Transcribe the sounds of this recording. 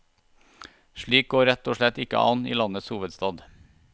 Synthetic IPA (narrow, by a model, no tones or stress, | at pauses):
ʃɭiːk̚ɡoːɾɛt̪ɔːʃɭɛt̪ɪkə̰ʔɑnḭːlɑnəshuːʋəd̪st̪ɑːd̪